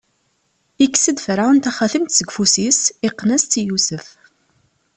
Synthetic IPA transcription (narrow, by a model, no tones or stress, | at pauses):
ikːsəd̪fəɾaənt̪æχæθəmt̪səɡfusisiqːnæst͡s̪ijusəf